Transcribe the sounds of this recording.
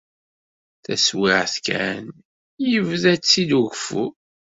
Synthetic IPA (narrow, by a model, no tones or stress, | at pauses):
θæswiʕθkæn | jəvðæt͡sːid̪uʝfu